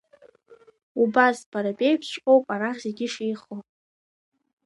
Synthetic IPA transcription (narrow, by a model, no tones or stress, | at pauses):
ubazpʰaɾapʼejpʰʃʷqʼo̞wpʼaɾaχʲzeɡʲɪʂejχo